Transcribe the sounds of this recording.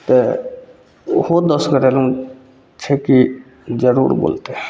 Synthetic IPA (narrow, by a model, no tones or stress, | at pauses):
t̪e | hoːd̪ɔsɡəɾelũ | t͡ʃʰeki | d͡ʒəɾṵːɾbo̰ːlt̪e